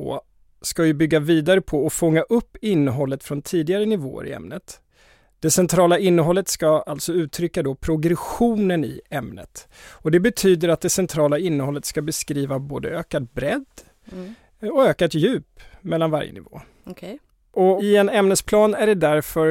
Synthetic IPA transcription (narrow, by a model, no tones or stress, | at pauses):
o̰ː | skajɵbʏɡːaviːd̪aɾəpʰɔːfɔŋːaʔɵpːɪnːəɦɔlːət̪fɾɔnt̪ʰiːd̪ɪɡaɾənɪvo̰ːə̰ɾɪ̰ɛ̰mnət̪ | d̪̥ɛsɛnt̪ʰɾɑːlaɪnːəɦɔlːət̪skaalt̪sɔʉ̟ːt̪ʰɾʏkːad̪ɔpʰɾʊɡɾɛɧuːnənɪ̰ɛmnə̰t̪ɔd̪ɛbɛt̪ʰyːd̪əɾat̪̚d̪ɛsɛnt̪ʰɾɑːlaɪnːəhɔlːət̪skabɛskɾiːvaboːd̪ə̰øːkat̪̚bɾɛd̪ | ɔøːkat̪jʉ̟ːpmɛlːanva̰ɾjə̰nɪ̰vo̰ː | ʔɔɪɛnɛmnəspʰlɑːnæɖɛd̪æɾfœɾ